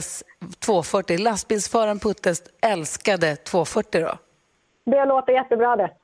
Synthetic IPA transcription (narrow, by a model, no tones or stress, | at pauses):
st̪ʰvoːfœʈːɪlast̪̚bɪnsfœːɾanpʰɵt̪ːəsɛlskad̪ət̪ʰv̥oːfœʈːɪd̪ɔ̰ | d̪ɛloːt̪əɾjɛt̪ːəbɾɑːd̪ɛ